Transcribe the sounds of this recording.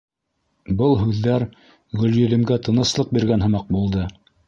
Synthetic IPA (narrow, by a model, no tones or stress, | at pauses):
bɤlˠɦʉðːæɾ | ʁɵ̆ljɵ̆lɘ̆mɡæt̪ʰɤ̆nɤ̆slˠɤq̚biɾɡænɦɤ̆mɑq̚bulˠd̪ɤ